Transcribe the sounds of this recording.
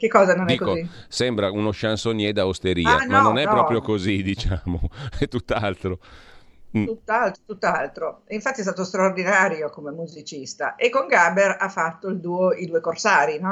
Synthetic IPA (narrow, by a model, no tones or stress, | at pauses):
k̟ekːɔːzanond̪ɛiːkːokozisɛmbɾaunoʃansonjɛd̪awst̪eɾiːa̰manːonɛppɾɔːpɾjokozid̪it͡ʃaːmoɛt̪ːut̪ːalt̪ɾo | t̪ut̪ːalt̪ɾot̪ut̪ːalt̪ɾoiɱfat̪ːiɛst̪aːt̪ost̪ɾaord̪inaːɾjokomemuzit͡ʃist̪a̰ʔekːoŋɡaberafːat̪ːoild̪uːoid̪uːekorsaːɾinɔ